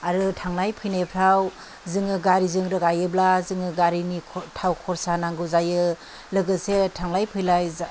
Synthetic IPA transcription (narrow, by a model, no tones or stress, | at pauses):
aɾɯtʰaŋlajpʰɯjnepʰaw | zɯŋɯɡaɾizɯŋɾɯkajɯblazɯŋɯɡaɾinitʰawkʰɔɾsanaŋɡɯzajɯ | lɯɡɯsetʰaŋlajpʰɯjlaj